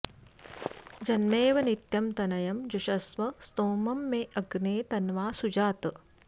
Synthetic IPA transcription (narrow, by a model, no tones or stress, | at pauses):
d͡ʒɐnmeːʋɐnit̪jɐmt̪ɐnɐjɐmd͡ʒuʃɐsʋɐst̪oːmɐmːeːʔɐɡneːt̪ɐnʋaːsud͡ʒaːt̪